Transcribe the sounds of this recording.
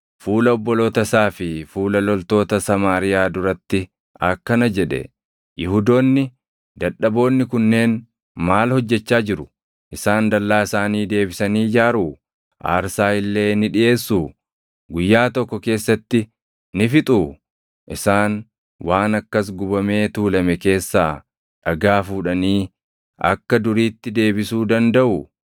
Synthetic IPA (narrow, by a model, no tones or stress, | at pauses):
fuːlɐɔbːɔloːt̪ɐsaːfɪfuːlɐlɔlt̪o̞ːt̪ɐsɐmaːɾɪjaːd̪ʊɾɐt̪ːɪ | ɐkːɐnɐd͡ʒɛᶑɛ̰ | jɪhʊd̪o̞ːnːɪ | d̪ɐᶑːɐbo̞ːnːɪkʊnːe̞ːn | maːlhɔd͡ʒːɛt͡ʃːaːd͡ʒɪɾʊ | ʔɪsaːnd̪ɐlːaːɪsaːniːd̪e̞ːbɪsɐniːd͡ʒaːɾuː | ʔa̰ːɾsaːɪlːe̞ːnɪᶑɪʔe̞ːsːuː | ɡʊjːaːt̪ɔkːɔke̞ːsːɐt̪ːɪ | nɪfɪt̪ʼu | ʔɪsaːn | waːnɐkːɐs̬ɡʊbɐme̞ːt̪uːlɐmɛke̞ːsːaː | ᶑɐɡaːfuːᶑɐniː | ʔɐ̰kːɐd̪ʊɾiːt̪ːɪd̪e̞ːbɪsuːd̪ɐnd̪ɐʔʊ